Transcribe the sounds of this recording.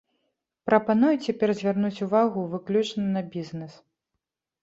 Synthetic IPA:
pɾɐpanujut͡sʲapʲɛrzʲvʲarnut͡sʲuvaɣuvɨklʲut͡ʂnɨnɐbʲiznɛs

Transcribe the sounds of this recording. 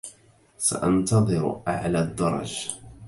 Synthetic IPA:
sa̰ʔɑnt̪ɑðˤɨɾ̰ʔaʕlaːd̪ːɑɾˤɑ̰d͡ʒ

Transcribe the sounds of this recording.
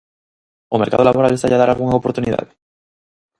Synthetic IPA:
omeɾka̰ðolaβoɾalest̪aʎaðaɾalɣuŋaopoɾt̪uniða̰ðɪ

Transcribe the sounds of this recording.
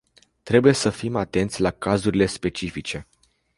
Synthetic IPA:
t̪ɾe̞buje̞səfimat̪e̞nt̪sʲlakazuɾile̞spe̞t͡ʃifit͡ʃe̞

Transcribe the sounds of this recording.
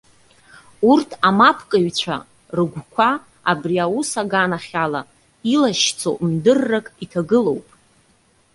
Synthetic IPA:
urtʰamapʰkʼɨɥt͡ɕʷʰa̰ | rɨɡʷkʷʰa | abriawusaɡanaχʲala | ilaʃt͡sʰo̰ʔmdɨrːakʼitʰaɡɨlo̞wpʼ

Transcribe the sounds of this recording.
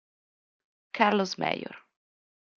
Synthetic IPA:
kʰaɾlosmɛ̰jo̰ɾ

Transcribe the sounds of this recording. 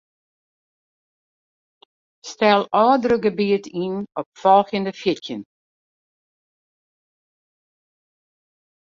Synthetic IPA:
stɛlˠɔːdəɾəɡəbiətʰinɔp̚fɔlˠxjəndəfjɪtjən

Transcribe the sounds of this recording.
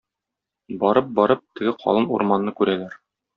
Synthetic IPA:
bɒɾɤp̚bɒɾɤp̚t̪ɘ̆ɡɘqʰɒ̰lˠɤnṵɾmɑnːɤkʉɾælæɾ

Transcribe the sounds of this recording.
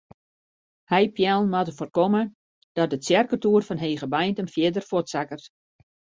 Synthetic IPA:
hɛjpjɛlˠmatəforkomə | d̥ɔt̚dəsjɛrkətuːrfɔnɦeːɣəbajntənfjɪdərfotsakərt

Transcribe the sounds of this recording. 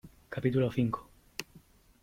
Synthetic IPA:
kapit̪uloθiŋko̥

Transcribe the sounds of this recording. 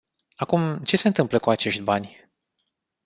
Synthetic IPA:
akumt͡ʃe̞se̞ɨnt̪ɨmpləkuat͡ʃe̞ʃt̪ʲbanʲ

